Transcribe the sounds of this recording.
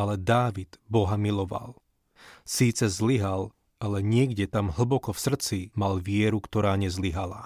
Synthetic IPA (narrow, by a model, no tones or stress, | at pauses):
alɛd̪aːʋid̪̥bɔɦamilɔʋa̰l | siːt͡sɛzliɦal | alɛɲɪɛɡɟɛt̪amɦl̩bɔkɔfsr̩t͡simalʋɪɛɾukt̪ɔɾaːɲɛzliɦala̰